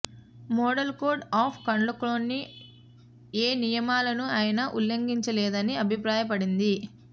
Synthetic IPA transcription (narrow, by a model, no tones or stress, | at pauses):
mɔːɖɐlkoːɖaːpʰkɐɳlɐkloːnːi | eːnijɐmaːlɐnuaːjɐnɐʔulːɐŋɡiɲt͡ʃɐlɛːd̪ɐniɐbʱipɾaːjɐp̬ɐɽind̪i